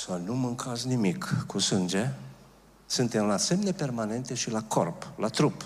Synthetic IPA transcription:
sənumɨŋkʰaznimikkusɨnd͡ʒe̞ | sɨnt̪emlase̞mne̞pe̞rmane̞nt̪e̞ʃilakʰo̰rplat̪ɾup

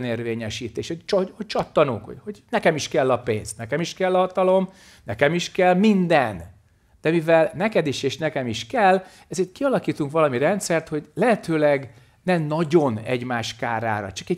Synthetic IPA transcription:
neːrveːɲɛʃiːt̪eːʃhot͡ʃhoc̚t͡ʃɒt̪ːɒno̰ːkho̰hoɟnɛkɛmiʃkɛlːɒpḛːnst̪nɛkɛmiʃkɛlːɒɦɒt̪ɒlo̞m | nɛkɛmiʃkɛlmind̪ɛn | d̪̥ɛmivɛlnɛkɛd̪iʃeːʃnɛkɛmiʃkɛlː | ɛzeːrt̪̚kiɒlɒkiːt̪uŋkʋɒlɒmiɾɛnt̪sɛrt̪ho̞ɟlɛɦɛt̪øːlɛɡ | nɛmnɒɟo̞nɛ̰ɟmaːʃkaːɾa̰ːɾɒ̰t͡ʃɒkɛɟ

